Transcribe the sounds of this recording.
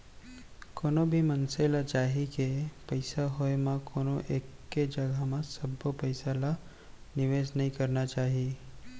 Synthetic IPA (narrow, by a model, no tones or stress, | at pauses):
koːnobʱimɐnselat͡ʃaːɦikepɐɪsaɦoemãkʰoːnoʔeːkːed͡ʒɐɡʱamãsɐbːopɐɪsala | nɪʋeːsnəɦĩkɐɾnat͡ʃaːɦie